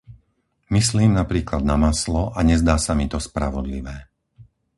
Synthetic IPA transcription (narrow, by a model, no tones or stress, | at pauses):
misliːmnapɾiːklad̪namaslɔʔaɲɛzd̪aːsamit̪ɔspɾa̰ʋɔd̪lḭʋɛː